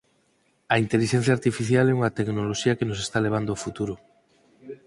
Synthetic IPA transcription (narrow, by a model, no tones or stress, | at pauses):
aint̪eliʃẽn̟θjaːɾt̪ifiθjalɛuŋat̪eknoloʃiakenosest̪aleβ̞and̪oofut̪uɾo